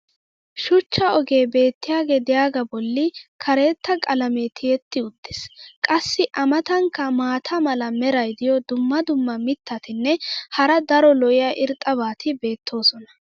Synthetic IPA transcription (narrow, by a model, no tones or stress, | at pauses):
ʃʊt͡ʃːɐɔɡe̞ːbe̞ːt̪ːɪjaːɡed̪ɛjaːɡɐbɔlːɪkʰɐɾe̞ːt̪ːɐkʼɐlɐmet̪ʰɪjɛt̪ːɪʊd̪̥ːɪskʼɐsːɪʔɐmɐt̪ɐŋkːɐmaːt̪ʰɐmɐlɐmɛɾɐjd̪ɪjɔd̪ʊmːɐd̪ʊmːɐmɪt̪ːɐt̪ɪnːɛhɐɾɐd̪ɐɾɔlɔʔɪjɐʔɪɾt̪ʼːɐβaːt̪ʰɪbe̞ːt̪ʰːo̞ːsɔnɐ̥